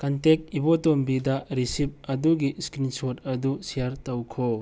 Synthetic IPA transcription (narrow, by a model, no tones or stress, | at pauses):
kɐntek̚ibotombidɐɾisip̚ɐduɡiskɾinsot̚ɐdusijaɾtɐwkʰo